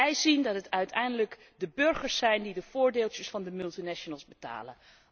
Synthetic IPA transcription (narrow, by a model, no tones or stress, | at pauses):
ɛjzindɑtɦətœɥtʰɛjndələk | dəbɵɹχəɹsɛjndidəv̥ʊːɹdeːlˠt͡ʃəsfɑndəmʏlˠtinɛʃonəlˠzbəta̰ːlə̰n